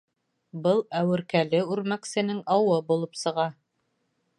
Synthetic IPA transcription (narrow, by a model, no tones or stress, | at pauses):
bɤlˠæwɘ̆ɾkælɘʉɾmæksɘ̆nɘŋɑwɤbulˠɤpsɤ̆ʁɑ